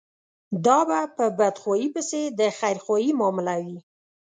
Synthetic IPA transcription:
d̪ɑbapəbad̪xwɑjipəsed̪əxajɾxwɑjimɑmɪlawi

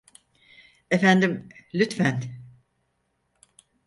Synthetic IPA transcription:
efænd̪imlʲyt̪fæn

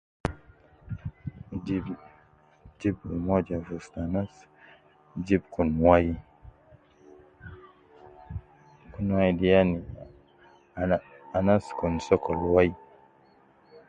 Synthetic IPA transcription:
d͡ʒi | d͡ʒibumɔd͡ʒavustanas | d͡ʒib̚kunwaji | kunwajidijani | anaskunsɔkʰɔlwai

